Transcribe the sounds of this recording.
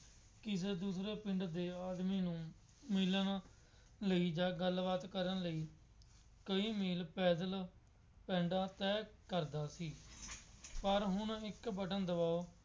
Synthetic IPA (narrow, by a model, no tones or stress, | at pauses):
kɪs̬eːd̪uːsɾeːpɪɳɖd̪eːaːd̪miːnũː | mɪln | ləiːd͡ʒaːɡəlʋaːt̪kəɾənləiː | kəiːmiːlpɛːd̪əl | pɛ̃ːɳɖãːt̪ɛːkəɾd̪aːsiː | pəɾɦʊnɪkbəʈənd̪əbaːoː